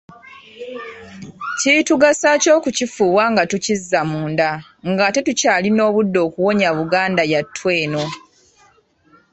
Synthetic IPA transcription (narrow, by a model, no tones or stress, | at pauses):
cituɡasaːco̞ːkucifuːβwaŋɡatucizːamuːnda | ŋɡate̞tucaːlino̞ːβudːo̞ːkuwo̞ɲaβuɡaːndajatʰːwe̞ːno̞